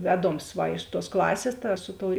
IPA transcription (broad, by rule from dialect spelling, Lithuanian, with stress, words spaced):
ˈʋʲæːˌdoːms ˈʋɐ ɪʃ tuɔs ˈklˠɑːsʲeːs tɐ ˈsʊ ˌtoːʊ